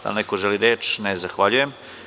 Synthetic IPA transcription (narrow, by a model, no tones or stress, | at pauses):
d̪a̰nekoʒeliɾeːt͡ʃnezaxʋaʎujem